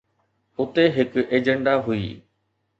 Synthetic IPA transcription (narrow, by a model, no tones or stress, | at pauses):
ʊt̪eɦɪkeːd͡ʑə̃ɳɖaɦʊḭː